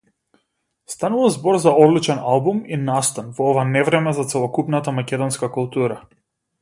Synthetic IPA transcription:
st̪anuvazbɔɾzaɔd̪lit͡ʃɛnalˠbuminast̪anvɔɔvanɛvɾɛmɛzat̪sɛlˠɔkupnat̪amakɛd̪ɔnskakulˠt̪uɾa

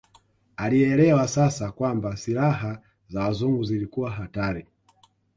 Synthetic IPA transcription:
aliɛlɛwasasakwambasilaɦa | zawazuŋɡuzilikuwaɦataɾi

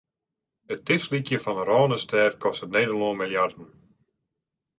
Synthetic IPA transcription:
ətɪslikjəfɔnərɔːnəstʰɛːtkʰɔstətneːdəlonmiljardən̩

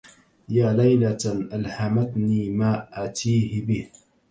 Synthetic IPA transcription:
jaːlajlaʔalhamat̪niːmaːʔaʕt̪ʰiːhɪbɪh

